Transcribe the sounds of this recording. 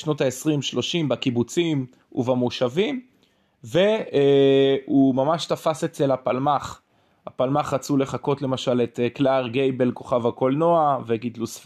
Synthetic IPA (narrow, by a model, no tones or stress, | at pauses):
ʃno̞taesʁimʃlo̞ʃimbakibut͡sim | ṵvamoʃavim | ve̞ | umamaʃtafase̞t͡se̞lhapalmaχ | hapalmaχʁat͡sule̞χako̞tle̞maʃaletklaʁɡejbe̞lko̞χavako̞lnoaveɡidlusf